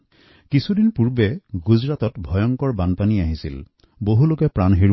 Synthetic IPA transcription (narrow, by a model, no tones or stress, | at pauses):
kisʰudinpuɹbɛɡuzɹatɔtbʱɔjɔŋkɔɹbanpaniaɦisḭl | boɦulokɛpɹanɦiɹ